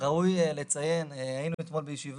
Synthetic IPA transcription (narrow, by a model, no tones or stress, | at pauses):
ʁaujele̞t͡saje̞neajinuit̪mo̞lbejʃiv